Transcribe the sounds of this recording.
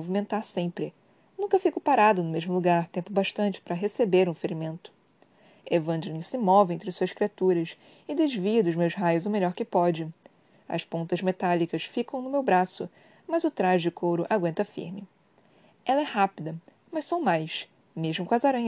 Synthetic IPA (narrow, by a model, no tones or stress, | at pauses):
ovimẽnt̪aɾsẽpɾɪ | nũkɐfikʊpaɾad̪ʊnʊmeʒmʊluɡaɾt̪ẽmpʊbaʃt̪ɐ̃nt͡ʃɪ̥pɾɐɦesebeɾũfeɾimẽnt̪ʊ̥ | evɐ̃nd͡ʒɪnĩsɪmɔvɪẽñt̪ɾɪsuɐskɾiat̪uɾɐs | ɪd̪ezviɐd̪ʊzmewzɦajʊzʊmeʎɔɾkɪpɔd͡ʒɪ | ɐ̰spõnt̪ɐzmet̪alikɐsfikɐ̃w̃nʊmewbɾasʊ̰ | mɐzʊt̪ɾaʒd͡ʒɪkʰowɾʊʔaɡwẽnt̪ɐfḭɾmɪ | ɛlɐɛhapid̪ɐ | mɐʃsõw̃majʃ | meʒmʊkõɐzaɾɐ̃ɲ